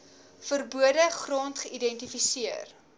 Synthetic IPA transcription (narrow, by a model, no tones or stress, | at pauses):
fərbuədəχrɔntχəʔidɛntifisiər